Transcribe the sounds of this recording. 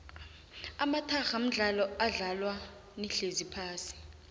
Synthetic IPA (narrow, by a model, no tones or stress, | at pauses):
amatʰaxam̩ɮalɔaɮalwa | niɬezipʰaːsi̥